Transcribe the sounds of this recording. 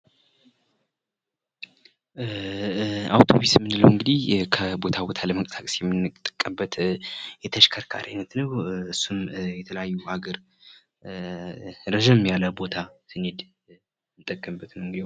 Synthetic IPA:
awt̪ʰo̞βismːɨnːɨləwɨŋɡɨd̪ihkʰəbo̞t̪ʰabo̞t̪ʰaləməkʼə̥sakʼsjɛmːɨnːɨt̪ʼːəkʼːəbət̪jɛt̪ʰəʃkʰəɾkʰa̰ɾajnət̪nəwɨsːumjɛt̪ʰələjajːuʔaɡəɾ | ɾəʒəmjaləbo̞t̪ʰasɨned̪ | mɨt̪ʼːəkʼːəmbːət̪nəwŋɡɨd̪iw

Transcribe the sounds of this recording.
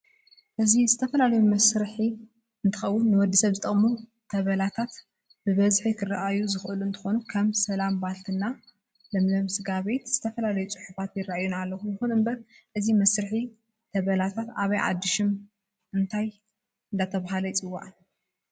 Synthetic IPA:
ʔɨzizɨt̪ʰɐfɐlalɐjumɐsɾɨħi | ɨnt̪ʰɨxɐwːunːɨwɔd̪ːisɐβzɨt̪ʼɐχʼmu | t̪ʰɐβɐlat̪ʰat̪ | b̥ɨβɐzħikʰɨrːaʔajuzɨxʔɨluɨnt̪ʰɨ̥xo̞nukʰɐmsɐlambalt̪ʰɨnːa | lɐmlɐmsɨɡaβe̞t̪z̥ɨt̪ʰɐfɐlalɐjut͡sʼɨħufat̪jɪraʔajunalːɐxujɨxunɨmbɐɾ | ʔɨzimɐsɾɨħi | t̪ʰɐβɐlat̪ʰat̪aβɐjʕa̰d̪ːɨʃɨm | ɨnt̪ʰaj | ɨnd̪at̪ʰɐβaɦalɐjɪt͡sʼɨwːa̰ʕ

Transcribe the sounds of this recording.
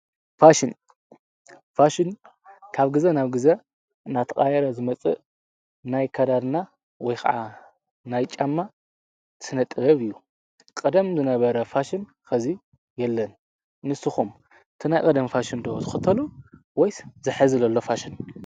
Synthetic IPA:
faʃɪn | faʃɪn | kʰaβɡɨzenaβɡɨze | nat̪ʰɐkʼajɛɾɐzɨmɐt͡sʼɨ̰ | najkʰɐd̪ad̪na | wɔjxɐ̰ʕa | najt͡ʃʼamːa | t̪ʰɨ̥sɨnɐt̪ʼbɐβɨjːu | kʼɨd̪ɐmzɨnɐβɐɾɐfaʃɪn | kɐzi | jɛlːɐnː | ɨsɨxum | ɨt̪ʰinajkʼɐd̪ɐmfaʃind̪oo̰zɨxɨt̪ʰɐlu | wɔjzɨħɨzɨlɐlːofaʃɪn

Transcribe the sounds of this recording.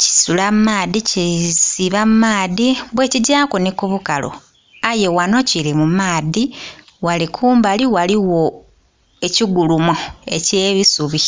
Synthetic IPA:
ci̥sulamumaːðicisiβamumaːðiβwe̞ːciɟaːkonikuβukalo̰ | aje̞wano̞cilimumaːði | walikʰuːmbaliwaliwo̞ | e̞ciɡulumoeceːβisuβi

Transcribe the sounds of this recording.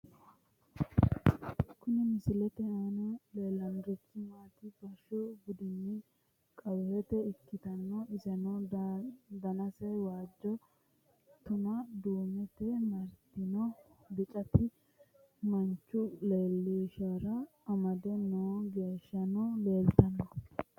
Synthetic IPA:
kʊnɛmɪsɪlɛt̪ɛanɔleːlɐnɾɛkːɪmaːt̪ɪb̥ɐʃɔbʊd̪ɪnːi | kʼɐwlɛt̪ɛɪkːɪt̪ɐnːɔɪzɛnɔ | d̪ɐnɐsɐjwaːd͡ʒːɔ | t̪ʊnɐd̪uːmɛt̪ɛmɐɾt̪ːɪnɔbɪt͡ʃʼɐt̪ɪ | mɐnt͡ʃːʊleːlːiːʃɐɾɐː | mɐd̪ɛnoːɡeːʃːɐnɔle̞ːlt̪ɐnːɔ

